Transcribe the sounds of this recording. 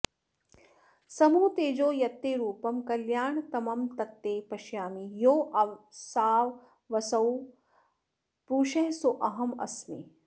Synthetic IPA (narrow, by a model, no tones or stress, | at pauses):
sɐmuːt̪eːd͡ʒoːjɐt̪ːeːɾuːpɐmkɐljaːɳt̪ɐmɐmt̪ɐt̪ːeːpɐʃjaːmijoːʔɐʋsaːʋ | ʋɐsɐw | pɾuːʃɐɦsoʔɐɦɐmɐ̰smḛː